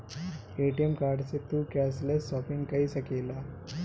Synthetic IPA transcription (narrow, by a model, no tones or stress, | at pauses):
eʈijemkaɾɖset̪uːkɛslesɔpiŋɡkaɦiːsəkela